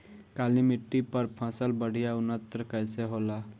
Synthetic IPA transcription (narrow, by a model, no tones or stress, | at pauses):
kaːlimɪʈːipəɾpʰãsəlbəɽ̤ijaʊnət̪ɾəkjseɦoːla